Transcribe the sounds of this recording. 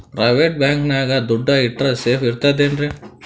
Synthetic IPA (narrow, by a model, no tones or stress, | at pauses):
pɾɐʋeʈ̚baːŋknaːɡɐd̪uɖːɐiʈɾɐseːfiɾt̪ad̪eːnɖɾe